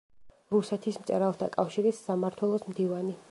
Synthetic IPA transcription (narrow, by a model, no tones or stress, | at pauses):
ɾusɛt̪ʰismt̪sʼɛɾalˠt̪ʰakʼafʃiɾɛsːamaɾt̪ʰwɛlˠɔsmd̪ivani